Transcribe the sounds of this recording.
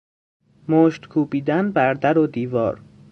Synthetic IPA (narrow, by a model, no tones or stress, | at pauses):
moːʃt̪kʰuːbiːd̪ænbæɾd̪æɾod̪iːvɒ̰ːɾ